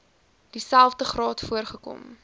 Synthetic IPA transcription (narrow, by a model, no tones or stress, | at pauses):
d̥isælˠfdəχrɑːtfuərχəkɔ̰m